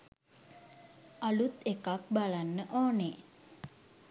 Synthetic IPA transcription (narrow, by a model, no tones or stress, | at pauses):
alut̪ekak̚balanːəʔoːne